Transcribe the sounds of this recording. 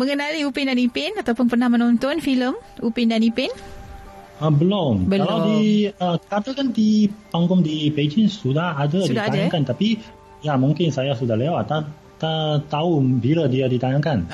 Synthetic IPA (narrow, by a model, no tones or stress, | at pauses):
məŋənaliupɪndanipɪnat̪awpʊnpərnahmənɔnt̪ɔnfiləmupɪndanipɪn | əbəlɔməkalawdiəkat̪akandipaŋɡɔŋdiped͡ʒinsudahadadidaajaŋkant̪api | jamuŋkɪnsajasudaɦlewat̪a | t̪at̪aubiladiadit̪ajaŋkan